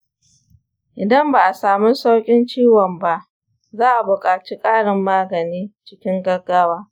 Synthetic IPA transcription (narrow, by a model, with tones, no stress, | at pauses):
ʔɪ˨dɐ˦mbaː˨ʔa˨saː˨mu˦sa˦wkʲʼɪ˦nt͡ʃiː˦wɔ˨mba˦ʔ | zaː˦ʔa˨bʊ˨kʼaː˨t͡ʃiː˦kʼaː˦ɽɪ˨mːaː˦ɡɐ˨niː˦t͡ʃɪ˦kʲɪ˦ŋɡɐ˦ɡaː˦waː˦